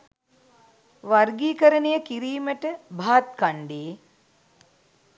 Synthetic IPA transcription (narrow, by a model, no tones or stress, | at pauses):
ʋarɡiːkəɾənejəkiɾiːməʈəbʱaːt̪kaɳɖeː